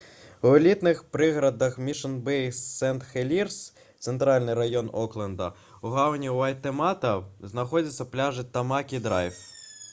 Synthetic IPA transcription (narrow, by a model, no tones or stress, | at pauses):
wlʲit̪nɪxpɾɪɦɾɐd̪ɐxmʲiʃɐnbɛjsɛnt̪xelʲirs | t̪sent̪ɾɑlʲnɪjɾɐjɔnɔklˠɛnd̪ɐ | uɦɑwnʲiɐlʲt̪emɑt̪ɐznɐxɔdʲɐt̪ʲsʲːɐplʲɑʒɪt̪ɐmɑkʲid̪ɾɑjf